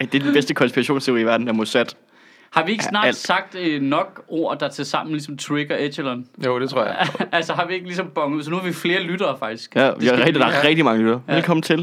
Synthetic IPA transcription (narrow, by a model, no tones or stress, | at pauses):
d̥ed̥n̩b̥esd̥əkʰɒ̽nspiʁɑɕo̝̰ːnst͡sʰe̝ʊḭːʋæɐd̥n̩æɐmosæd̥ | hɑ̈ʋie̝ɡəsnɑ̰̈ːl̰d̥sɑ̈ɡ̥̚d̥ənɒ̽ɡ̥o̝ɐ̰d̥ɑ̈t͡sʰe̝sɑ̈m̰n̩lisɒ̽mt͡sʰweɡ̥ɐe̥ɕəlɔnjod̥et͡sʰʁoɐ̰jælsəɦɑ̈ʋie̝ɡ̥əlisɒ̽mb̥ɒ̽ŋəð̩ˠsɒ̽nuhɑ̈ʋifle̝ːɐlyd̥ɐːfɑ̈ɡ̥d̥isɡ̥æʋi̥d̥ɑæɐʁɛɡ̥̚d̥imɑ̈ŋəlyd̥ɐːʋelkʰɒ̽m̰n̩t͡sʰe̝l